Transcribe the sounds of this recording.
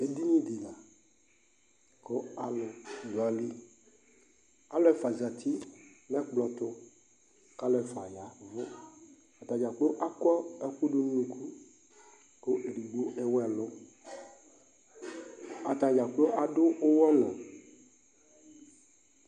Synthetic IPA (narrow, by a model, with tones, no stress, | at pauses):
e˨˦d̪i˦ɲĩ˦d̪i˨la˨ | ko˦a˨lo˨dɔ˨a˨˦li˦ | a˨lo˦ɛ˦fa˨za˨t̪i˦nɛ̃˦k͡plɔ˨t̪o˦ | ka˦lɔ˦ɛ˦fa˨ja˨vo˦ | a˨t̪ã˨d͡ʒa˨k͡po˦ʔa˦kɔ˦ɛ˦ku˦ɖo˦n˦ũ˦kʰu˦ | ko˦ʔe˨ɖi˨ɡ͡bo˦ʔe˦wɛ˨lo˦ | a˨t̪ã˨d͡ʒa˨k͡pe˦o˦ʔa˨ɖo˦o˦wɔ˦nɔ̃˨